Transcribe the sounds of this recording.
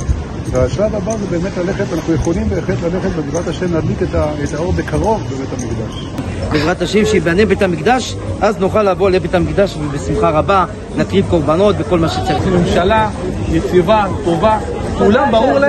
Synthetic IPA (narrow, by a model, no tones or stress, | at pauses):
veaʃlavabazebe̞ːmet̪lale̞χet̪anaχnujeχo̞limveeχet̪lale̞χet̪bedivʁat̪aʃemlad̪liketaet̪ao̞ʁbekaʁo̞vbebetamikd̪aʃ | divʁat̪aʃemʃeibanebe̞tamikd̪aʃ | ʔaznuχalːavolebet̪amikd̪aʃvebesimχaʁaba | nakʁivko̞ʁbano̞t̪beko̞lmaʃet͡saʁimemʃalajet͡sivat̪o̞va | kulambaʁuʁl